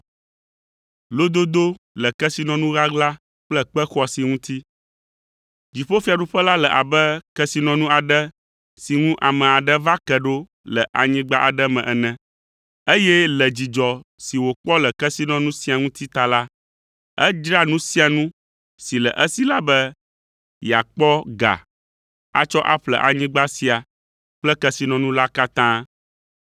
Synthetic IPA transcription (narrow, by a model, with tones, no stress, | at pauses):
lo˦d̪o˦d̪o˦ | lə˨kɛ˦si˦nɔ̃˨nũ˦ɣa˦ɡla˦ | k͡plɛ˦k͡pɛ˦xɔ˦si˨ŋũ˦t̪ʰi˦ | d͡ʑi˨ɸo˦fi˦˨a˨ɖu˦ɸə˦la˦lɛ˨ʔa̰˨bɛ˦kɛ˦si˦nɔ̃˨nũ˦a˨ɖɛ˦ | si˨ŋũ˦ʔa˨mɛ̃˨a˨ɖə˦va˦kɛ˨ɖo˦ | lə˨ʔa˨ɲĩ˦ɡ͡ba˦ʔa̰˨ɖə˦mɛ̃˨ʔɛ˨nɛ̃˨ | e˦jɛ˦lə˨d͡ʑi˨d͡ʒɔ˨si˨wo˨k͡pɔ˦lə˨kɛ˦si˦nɔ̃˨nũ˦si˦a˨ŋũ˦t̪i˦t̪a˨la˦ | ə˦d͡ʒɾa˦nũ˦si˦a˨nũ˦ | si˨lə̰˨ʔə˦si˦la˦bə˦ | ja˨k͡pɔ˦ɡa̰˨ | a̰˦t͡ʃɔ˦ʔa̰˦ɸlə̰˨ʔa̰˨ɲĩ˦ɡ͡ba˦si˦a˨ | k͡plə˦kɛ˦si˨nɔ̃˨nũ˦la˦ka˦t̪ã˦